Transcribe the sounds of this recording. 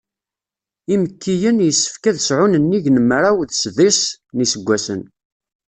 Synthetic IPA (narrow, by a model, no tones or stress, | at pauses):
iməkʰːijənjəsːə̥fkæðəsʕʊnənːiʝnəmɾawðsðisnisəɡʷːæsən